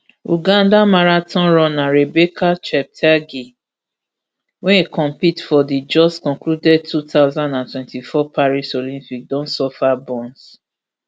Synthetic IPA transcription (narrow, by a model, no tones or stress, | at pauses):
uɡãndamaɾatɔ̃nɹɔ̃nãɾebekat͡ʃɛp̚tʰaɡi | wɛ̃nekɔ̃mpitfɔdid͡ʒɔskɔ̃ŋkludɛd̚tutaʊzãndãntwɛ̃ntifɔpʰaɹisolĩmpik̚dɔ̃nsɔfabɔ̃ns